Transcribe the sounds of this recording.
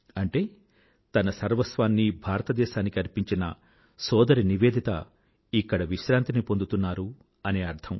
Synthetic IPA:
ɐɳʈe̞ː | t̪ɐnɐsɐɾʋɐsʋaːnːibʱaːɾɐt̪ɐd̪ɛːʃaːnikiɐɾpiɲt͡ʃinɐ̰ | sɔːd̪ɐɾiniʋe̞ːd̪ʱit̪ɐ̰ | ikːɐɽɐʋiʃɾaːnt̪inipo̞nd̪ut̪unːaːɾu | ɐne̞ːɐɾd̪ʰʱɐm

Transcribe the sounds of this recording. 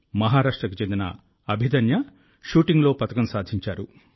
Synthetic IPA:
mɐɦaːɾaːʂʈɾɐkut͡ʃend̪inɐ̰ | ɐbʱid̪ɐnjɐ | ʃuːʈiŋɡlo̞ːpɐt̪ɐkɐmsaːd̪ʱiɲt͡ʃaːɾu

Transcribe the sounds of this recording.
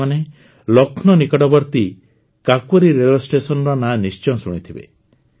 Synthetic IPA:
ane | lɔkʰnɔnikɔɽɔbɔɾt̪i | kakɔɾiɾelɔsʈesɔnɔɾɔnanist͡ʃɔ̃suɽ̃it̪ʰibḛ

